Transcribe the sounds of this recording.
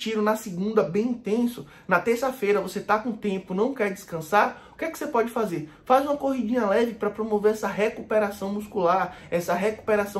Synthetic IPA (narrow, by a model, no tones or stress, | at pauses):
t͡ʃiɾʊnɐsɪɡũnd̪ɐbẽj̃ĩt̪ẽsʊ | nɐt̪eɾsɐfejɾɐvoset̪akõt̪ẽpʊnɐ̃w̃kɛɾd͡ʒɪskɐ̃saɾu̥kɛkɪ̥sepɔd͡ʒɪfazeɾ | fazũmɐkoɦid͡ʒĩɲɐalɛɡɪpɾɐpɾomoveɾɛsɐɦekupeɾasɐ̃w̃muskulaɾɛsɐɦeku̥peɾasɐ̃w